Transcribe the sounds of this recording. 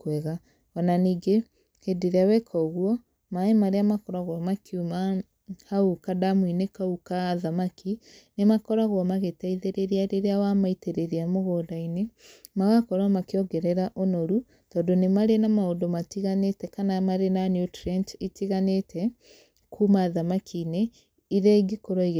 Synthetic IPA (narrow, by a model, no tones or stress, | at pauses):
kwɛɣa | ɔnaniːɡe | kedeɾeawɛkʰɔɣwɔ | maemaɾeamakɔɾaɣwɔmakʰiuma | haukadamwinekaukaːðamakinemakɔɾaɣwɔmaɣetaiðeɾeɾeaɾeɾeawamaiteɾeɾeamoɣoːdainemaɣakɔɾwamakeɔɡɛɾɛɾaʔonoɾu | tɔːndonemaɾenamaodomatiɣanetɛkanamaɾenanjutɾɛnt͡ʃitiɣanetʰɛ | kʰuːmaːðamakʰine | iɾɛɡikoɾɔiɣ